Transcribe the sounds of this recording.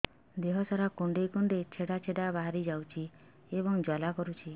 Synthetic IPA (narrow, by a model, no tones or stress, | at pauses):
d̪eɦɔsaɾakuɳɖekuɳɖet͡ʃʰeɽat͡ʃʰeɖabaɦaɾid͡ʒawt͡ʃʰi | ebɔŋd͡ʒɔlakɔɾut͡ʃʰi